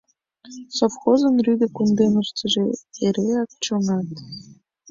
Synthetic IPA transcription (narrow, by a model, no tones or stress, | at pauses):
sofxozɤ̆nryd̪ʲĕkund̪enust͡s̪ɤ̆ʒeeɾeɑk̚t͡ɕŏŋɑt̪